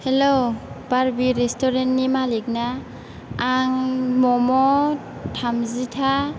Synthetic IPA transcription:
helob̥aɾbiɾestʰɔɾentnimalik̚naː | ŋmɔmɔtʰamzitʰa

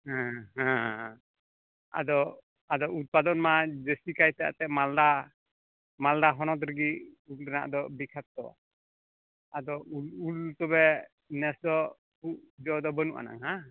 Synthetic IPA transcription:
hãɦã | a̰d̪ɔ | ad̪ɔʔut̪̚pad̪ɔnmad͡ʒəsikajt̪ɛa̰t̪ɛʔmalda | maldaɦɔnɔt̪̬ɾəɡi | ulɛna̰ʔd̪ɔbikʰap̪̚t̪ɔ̰ | ad̪ɔulult̪ɔbɛ | nɛsd̪ɔ | puʔd͡ʒɔd̪ɔbənṵʔa̰na̰ŋɦa

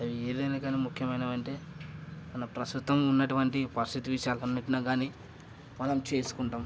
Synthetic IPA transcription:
ɐʋie̞ːd̪ɐjnakaːniːmukʰjɐmɐjnaːɐɳʈe̞ːmɐnɐmpɾɐst̪ut̪ːɐmunːɐʈuʋɐɳʈipɐɾist̪ʰit̪iʋiʂjaːlɐnːɐʈːinaːɡaːniː | mɐnɐmt͡ʃe̞ːsu̥kuɳʈaːm

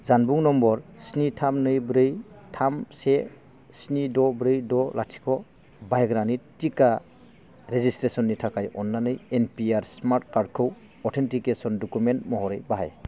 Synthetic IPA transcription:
zanbuŋnɔmbɔɾsnitʰamnɯjbɾɯjtʰamse | snidɔbɾɯjdɔlʔatʰi̥kʰɔ | bajɡɾanitika | ɾezistɾesɔnːitʰakʰajɔnːanɯjenpiaɾsmaɾtkaɾd̚kʰɯw | ɔɾtʰentʰikesɔndɔkumentmɔɦɔɾɯjbaɦa̰j

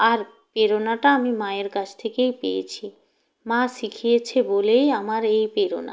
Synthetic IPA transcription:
aɾ | peɾonaʈaamimaeɾkat͡ɕʰt̪ʰekejpejḛt͡ɕʰi | mãʃikʰijet͡ɕʰebolejamaɾejpeɾo̰na̰

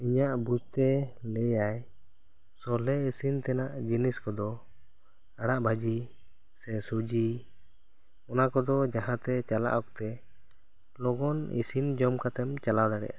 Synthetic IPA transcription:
iɲaʔbud͡ʒt̪ɛlɛjaj | sɔlɛisint̪ɛnaʔd͡ʒiniskɔd̪ɔ | aɽ̃aʔbʱad͡ʒi | sɛsud͡ʒi | ɔnakɔd̪ɔd͡ʒaɦãt̪ɛt͡ʃala̰ʔɔk̚t̪ɛ | lɔɡɔnḭsind͡ʒɔmkat̪ɛmt͡ʃalad̪aɽɛ̰ʔa

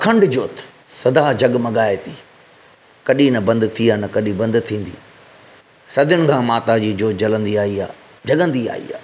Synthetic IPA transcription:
kʰɐ̃ɳɖd͡ʑoːt̪ | sɐd̪ad͡ʑɐɠmɐɠaːet̪ʰiː | kɐɗinɐbɐ̃nd̪t̪ʰiaːnɐkɐɗibɐ̃nd̪t̪ʰĩːn̆d̪ḭː | sɐd̪ʱɪʊnɪ̆kʰãːmaːt̪ad͡ʑiːd͡ʑoːt̪̚d͡ʑɐlə̃nd̪iaːɦia̰ː | d͡ʑɐɠə̃nd̪ia̰ːɦḭːa̰ː

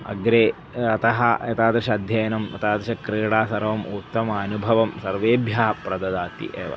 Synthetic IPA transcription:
ɐ̰ɡɾeː | ɐt̪ɐɦɐɐt̪aːd̪ɾɐʃɐɐd̪ʱjɐːjɐnɐmɐ̰t̪aːd̪ɾɐʃɐkɾiːɽaːsɐɾʋɐmut̪ːɐmaːnubʱɐʋɐmsɐɾʋeːbʱjaːpɾɐd̪ɐd̪aːt̪ḭʔeːʋɐ̰

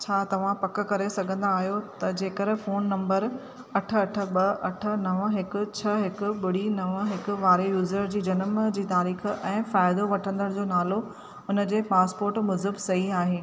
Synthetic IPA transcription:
t͡ɕʰaːt̪ɐʋ̤ãpɐk̆kɐɾesɐɡʱə̃nd̪aːɦijot̪ɐd͡ʑeːkɐɾfoːnːɐ̃mbəɾ | ɐʈʰə̆ɐʈʰə̆ɓɐɐʈʰə̆nɐʋəɦɪkʊ̆t͡ɕʰɐɦɪkʊ̆ɓʊɽ̤inɐʋəɦɪkʊ̆ʋaːɾejuːzəɾd͡ʑiːd͡ʑɐnəmd͡ʑiːt̪aːɾiːxɛ̃ːfaːɪd̪oʋɐʈʰə̃nd̪əɽ̃d͡ʑoːnaːlo | ʊnə̆d͡ʑeːpaːspoːɾʈmʊzəbsɐɦiaːɦeː

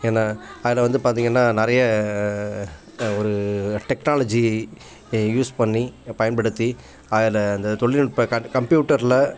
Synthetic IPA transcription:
eːnːaːaːðɪlɐʋɐnd̪ɯpaːɾt̪iːŋɡɐnːaːnɪɾɐjɐ | ɔɾɯʈɛknaːlɐd͡ʒi | juːspɐɳːipɐjɐnpɐɽɯt̪ːi | aːðɪlɐːnd̪ɐt̪ɔɭːɪnɪɽpːɐkɐkɐmpjuːʈːɐɾlɐ

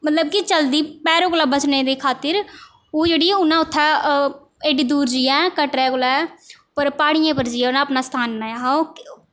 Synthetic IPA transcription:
mət̪ləbkɪt͡ʃəld̪iːpɛːɾõːklaːbəsneːd̪iːkʰaːt̪ɪɾ | oːd͡ʒeːɽiːʊnãːʊt̪ʰːɛː | eːɖiːd̪uːɾd͡ʒiːɛ̃ːkəʈɾɛːkʊlɛː | pəɾpaːɽɪjãːpəɾd͡ʒiːɛ̃ːʊnãːəpnaːst̪ʰaːnːaːaɦaok

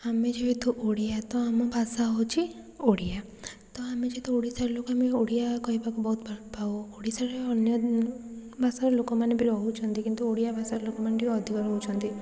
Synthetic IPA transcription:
amed͡ʒeɦet̪uʔoɽijat̪ɔamɔbʱasaɦot͡ʃʰi | oɽija | t̪ɔamed͡ʒeet̪uoɽisaɾlokoameoɽijakɔɦibakubɔɦut̪bʱaɾpaooɽisaɾeɔnjɔ | bʱasaɾɔlokɔmanebiɾɔɦut͡ʃʰɔnt̪ikint̪uoɽijabʱasaɾɔlokɔmanebiɔd̪ʱikɔɾɔɦut͡ʃʰɔnt̪i

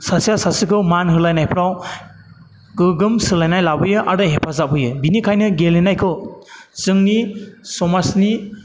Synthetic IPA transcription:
sasijasasikʰɯmanɦɯlajnajpʰɾaw | ɡɯɡɯmsɯlajnajlabɯjɯʔaɾɯɦepʰazabɯjɯbinikʰajnɯɡelinajkʰɯwzɯŋnisɔmasni

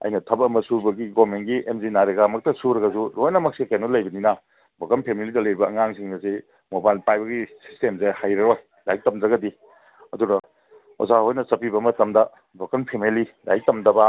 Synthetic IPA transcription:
ɐ̰jnɐtʰɐbɐmɐsubɐɡiɡomenɡiʔemzinaɾeɡamɐk̚tɐsuɾɐɡɐsuɾojnɐmɐk̚sikanolɐjbɐninɐ | bʱokɐnpʰemilidɐlɐjɾibɐːŋaŋsiŋdɐsi | mobajlpajbɐɡisi̥stemzehajɾɐɾoj | lajk̚tɐmd͡ʒɐɡɐdi | ɐduɾɐ | o̰zahojnɐsɐpibɐmɐtɐmdɐ | bʱokɐnpʰemelida̰jik̚tɐmdɐba

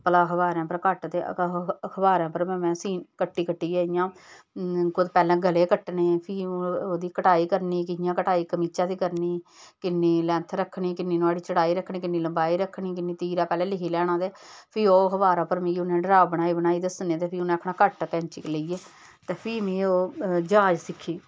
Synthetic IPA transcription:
pəlaːkʰəbaːɾãːpəɾkəʈt̪eːəkʰəbaːɾãːpəɾmɛ̃ːmɛ̃ːsiːnkəʈːiːkəʈːiːeːɪjãː | kʊd̪pɛːlɛ̃ːɡəleːkəʈneːpʰiːoːd̪iːkəʈaːiːkəɾniːkɪjãːkəʈaːiːkəmiːt͡ʃãːd̪iːkəɾniːkɪnːiːlɛ̃ːnt̪ʰɾəkʰːɳiːkɪnːeːnaːɽiːt͡ʃəɽaːiːɾəkʰɳiːkɪnːiːləmbaːiːɾəkʰːɳiːk̬ɪnːiːt̪iːɾaːpɛːlɛ̃ːlɪkʰiːlɛːɽ̃ãːd̪eːpʰiːoːkʰəbaːɾãːpəɾmĩːiʊnẽːɖəɾaːbəɽ̃aːiːbəɽ̃aːiːd̪əsnẽːt̪eːpʰiːʊnẽːkʰɳaːkəʈkɛ̃ːnt͡ʃɪːkləiːeː | t̪eːpʰiːmĩːoːd͡ʒaːd͡ʒsɪkʰːiː

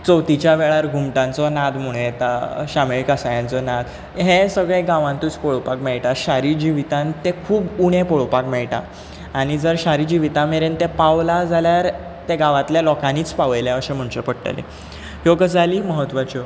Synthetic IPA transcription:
t͡sɔwt̪it͡ɕjaʋeɭaɾɡʱumʈãnt͡sɔnad̪muɭet̪aɕameɭkasajãnt͡sɔnad̪ | ɦesəɡɭẽɡãʋãnt̪uːt͡spɔɭpakmɛɭʈaɾɕaɾid͡ʑiʋit̪ãnt̪ekʰuːbuɽ̃ẽpɔɭpakmɛɭʈa̰ː | ɽ̃id͡zəɾɕaɾid͡ʑiʋit̪ãmeɾent̪ẽpaʋlad͡zʱaljaɾ | t̪eɡaʋat̪ljalɔkaniːt͡spaʋjljaəɕẽm̤əɳt͡ɕepəɽʈə̰lḛ | joɡəd͡zaliːməɦət̪ʋat͡ɕɔ

